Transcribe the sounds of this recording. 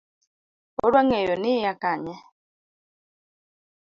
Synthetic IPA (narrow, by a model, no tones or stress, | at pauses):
ɔɾwaŋɛjɔnɪjakaɲɛ